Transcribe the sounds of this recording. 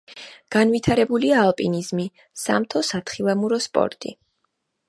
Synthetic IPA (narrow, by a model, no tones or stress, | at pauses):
ɡ̥anvit̪ʰaɾɛbuliaːlˠpʼinizmi | sa̰mt̪ʰɔsat̪ʰχilˠamuɾɔspʼɔ̰ɾt̪ʼḭ